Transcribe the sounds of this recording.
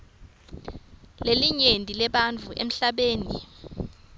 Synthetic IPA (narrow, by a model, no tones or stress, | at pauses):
leliɲentʼilɛɓant͡fuʔḛm̩ɬaɓeːni